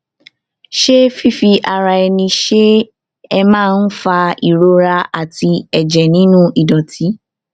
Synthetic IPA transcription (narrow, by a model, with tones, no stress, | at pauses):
ʃe˦fi˦˨fi˧ʔa˨˧ɾa˧ɛ˧nĩ˧ʃe˦ | ɛ˧mãː˦˧n̩˦fa˧i˨ɾo˧ɾa˧a˨ti˧ɛ˨d͡ʒɛ˨nĩ˨˦nũ˦ʔi˨dɔ˨ti˨˦